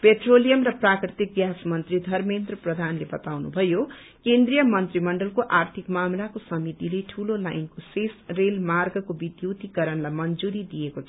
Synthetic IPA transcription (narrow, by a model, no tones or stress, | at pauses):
peʈʰrolijʌmrʌprakrit̪ik̚ɡjasmʌnt̪rid̪ʱʌrmend̪rʌprʌd̪ʱanlebʌt̪awnṵbʱʌjo | kend̪rijʌmʌnt̪rimʌɳɖʌlkoʔart̪ʰikmamlakosʌmit̪ileʈʰulolajnkosesrelmarɡʌkobid̪jowt̪ikʌɾʌnlajmʌnd͡zuɾid̪ijekot͡sʰ